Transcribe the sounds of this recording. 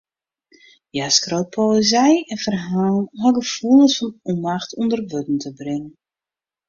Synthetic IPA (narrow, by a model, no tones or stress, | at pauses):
jaskrowt̚pʰoəzɛjɛnfərɦaːlnɦɔɡəfulˠəsfɔnɔmaxtʰundərʋøtn̩tʰəbrɪŋən